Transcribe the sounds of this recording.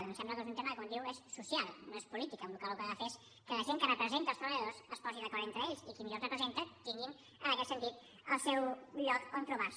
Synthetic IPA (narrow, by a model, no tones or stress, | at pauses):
nosɛmbləkezunt̪emɐəðəkond̪iwesːusialˠnoespulit̪ikəũnlukalˠukaɣafes | kələʒeŋkənəpɾəzent̪əlˠst̪ɾəβeðosəspɔziðɐkɔɾðent̪ɾəeʎsikimiʎoɾrəpɾəzent̪ət̪iŋɡin | ənəkɛt̪sənt̪it̪ | əlˠsɛwʎɔkonp̪ɾuβaɾs